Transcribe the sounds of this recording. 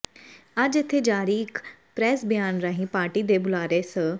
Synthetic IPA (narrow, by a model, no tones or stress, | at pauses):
əd͡ʒɪt̪ʰːeːd͡ʒaːɾiːɪk | pɾɛːsbɪjaːnɾaːɦĩːpaːʈiːd̪eːbʊlaːɾeːsə